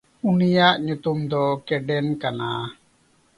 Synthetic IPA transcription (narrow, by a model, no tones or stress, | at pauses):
unijaʔɲut̪umd̪ɔkɛɖɛnkana̰